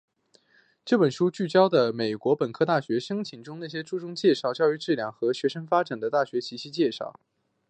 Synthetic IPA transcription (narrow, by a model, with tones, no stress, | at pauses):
ʈ͡ʂɤ˥˩pə˨˩nʂu˥t͡ɕy˥˩t͡ɕjɑ˥ʊd̪ə˨me˨˩ɪkwɔ˧˥pə˨˩nkʰɤ˥t̪a˥˩ɕɥɛ˧˥ʂɤ˥ŋt͡ɕʰi˨˩ŋʈ͡ʂʊ˥ŋna˥˩ɕ̬jɛ˥ʈ͡ʂu˥˩ʈ͡ʂʊ˥ŋt͡ɕjɛ˥˧ʂɑ˥˧ʊt͡ɕjɑ˥˧ʊy˥˧ʈ͡ʂɻ̩˥˩ljɑ˥˩ŋxɤ˧˥ɕɥɛ˧˥ʂɤ˥ŋfa˥ʈ͡ʂa˨˩nd̪ə˦t̪a˥˩ɕɥɛ˧˥t͡ɕʰi˧˥ɕʰi˥t͡ɕjɛ˥˧ʂɑ̰˥˩ʊ